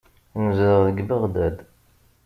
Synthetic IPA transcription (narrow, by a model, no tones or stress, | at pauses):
nəzɾəʁðəɡbəʁd̪æd̪